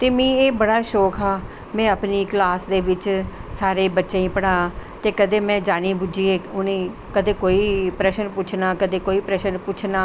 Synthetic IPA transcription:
t̪eːmĩːeːbəɽaːʃɔːkɦaː | mɛ̃ːəpniːklaːsd̪eːʋɪt͡ʃsaːɾeːbətːʃeːĩːpəɽaːt̪eːkəd̪eːmɛ̃ːd͡ʒaːniːbʊd͡ʒiːeːʊnẽː | kəd̪eːkoːiːpɾɛːʃəɾpʊt͡ʃʰnaːkəd̪eːkoːiːpɾɛːʃənpʊt͡ʃʰnaː

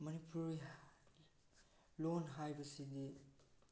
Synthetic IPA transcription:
mɐnipʰuɾi | lonɦajbɐsidi

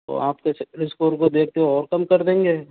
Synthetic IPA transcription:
t̪o̰aːp̚keɾɪskoːɾkod̪eːk̚ʰt̪eɦoɔːɾkɐmkɐɾd̪ẽːŋɡeː

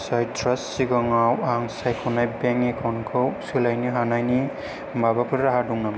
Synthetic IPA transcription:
sɔjtɾasːiɡɔŋawaŋsajkʰɔnajbɛŋɛkʰɔnkʰɔwsɯlajniɦanajni | mbabapʰɯɾɾaɦaduŋnam

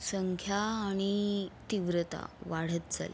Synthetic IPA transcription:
səŋkʰjaːɽ̃it̪iʋɾət̪a̰ʋaɽ̤ət̪̚d͡za̰lḛ

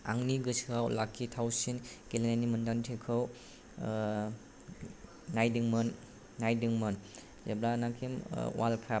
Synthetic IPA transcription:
a̰ŋniɡɯsawlakʰːitʰawsinkelinajnimɯndantʰekʰɯw | ajdiŋmɯnː | ajdɯŋmɯn | zablanakʰimwalkʰa

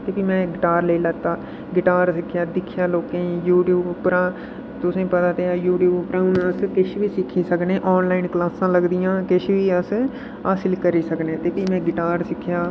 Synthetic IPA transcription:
t̪eːpiːmɛ̃ːɡɪʈaːɾləiːlət̪aː | ɡɪʈaːɾsɪkʰːjaːd̪ɪkʰːjaːloːkẽːjuːʈjuːbpɾãː | t̪ʊsẽːpət̪aːt̪eːaːjuːʈjuːbpɾãːnãskɪʃʋiːsɪkʰːiːsəknẽːʔɔːnlaːiɪnklaːsãːləɡd̪ijãːkɪʃʋiːəs | aːsɪlkəɾiːsəknẽːt̪eːpiːmɛ̃ːɡɪʈaːɾsɪkʰːjaː

